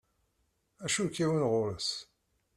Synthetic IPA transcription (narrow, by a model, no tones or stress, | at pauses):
æʃukːiwənʁʊɾəs